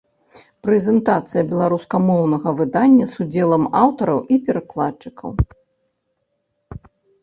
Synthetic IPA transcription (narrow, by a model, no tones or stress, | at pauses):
pɾɛzʲɛnt̪at̪sɨjɐbʲɛlˠaɾuskɐmɔwnɐɣɐvɨd̪anʲːɐsud͡zʲɛlˠɐmawt̪ɐɾɐwʔipʲɛɾaklˠatt͡ʂɨkʰɐ̰w